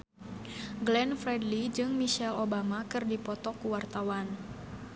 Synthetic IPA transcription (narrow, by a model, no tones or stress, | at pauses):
ɡlɛnfɾɛdlid͡ʒɨŋmiʃɛlobamakɨrdipɔt̪ɔkuwart̪awan